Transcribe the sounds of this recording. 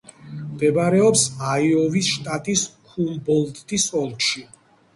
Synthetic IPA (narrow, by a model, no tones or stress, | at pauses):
md̪ɛbaɾɛɔpsaiɔvisʃt̪ʼat̪ʼiskʰumbɔlˠt̪d̪ʼisɔlˠʃi